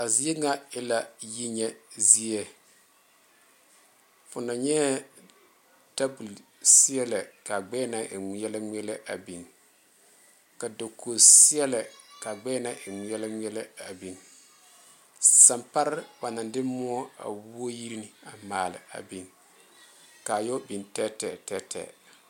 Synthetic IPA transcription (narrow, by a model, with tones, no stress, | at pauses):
a˨zi˦ɛ˦ŋa˦ɪ˦la˨ji˦ɲɛ˦zi˦ɛ˦ | fʊ˨na˨ɲɛ˦ | da˦bu˨l | si˦ɛ˦la˨ka˨ɡ͡bɛ˦na˦ʔɪ˨ŋ˨˦jɛ˦la˦m˦ɛ˦la˦ʔa˨bi˨n | ka˨do˨ko˨si˦ɛ˦lɛ˨ka˨ɡ͡bɛː˦na˦ʔɪ˨ŋi˨˦ɛ˦la˦ŋi˦ɛ˦lɛ˦a˨bi˨n | sa˨mpa˦ɾba˨na˨ndɪ˦mʊ˦ɔ˦a̰˨wu˦o˦ji˦ɾi˦nɪ˨a˨maː˨lɪ̰˨a̰˨bi˨n | ka˨jɔ˦bi˨ntɛ˦tɛ˨tɛ˦tʰɛ̰˨